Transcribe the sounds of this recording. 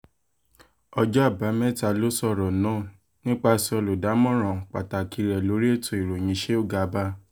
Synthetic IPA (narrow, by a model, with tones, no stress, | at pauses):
ɔ˧d͡ʒɔ˦a˦˨ba˨˦mɛ̃˦ta˧lo˦sɔ˦˨ɾɔ˨nã˨˦˨ | nĩ˦k͡pa˧sɔ˧lo˨da˨˦mɔ̃˦˨ɾ̃ã˨k͡pa˨ta˨ki˧ɾɛ˨lo˨˦ɾi˦e˦˨tõ˨i˨ɾo˨j̃ĩ˨˦ʃe˦o˦˨ɡa˨˦ba˦